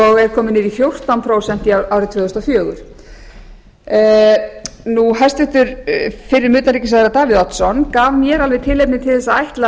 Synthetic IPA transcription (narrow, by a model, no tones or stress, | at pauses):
ɔɣɛɾ̥kʰɔːmɪnɪːɾifjowr̥t̪awnpʰɾoːwsɛn̥t̪iaːwɾɪt̪vœːðʏst̪ɔfjœːɣʏ̰ɾ̥ | nuɦɛst̪vɪht̪ʏɾ̥fɪɾɪɾmʏːt̪naɾiːcɪs̬aðɪɾat̪aːvɪðɔt̪sɔnkaːvmjɛɾalvɛðt̪ʰɪlːejp̚nɪt̪ʰɪlðɛsːaajht̪la